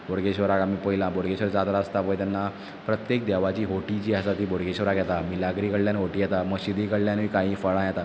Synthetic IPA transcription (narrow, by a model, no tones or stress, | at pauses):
boɽɡeɕʋəɾakamiːpəɦilãboɽɡeɕʋəɾt͡sat̪ɾaəst̪apəjt̪ɛnːa | pɾət̪jek̚d̪ɛʋat͡ɕiːɦoʈit͡ɕiːɦəsat̪iːboɽɡeɕʋəɾakjɛt̪amilaɡɾikəɽljanɦoʈiːjɛt̪aməɕid̪iːkəɽljãniːkaɦĩːfəɭãjɛt̪a